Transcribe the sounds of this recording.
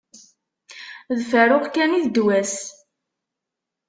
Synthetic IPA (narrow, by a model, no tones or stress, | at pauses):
ðfəɾʊʁkæniðd̪wæs